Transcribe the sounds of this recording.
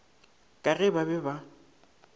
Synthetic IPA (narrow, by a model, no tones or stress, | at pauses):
kʼaɣɪbabɛba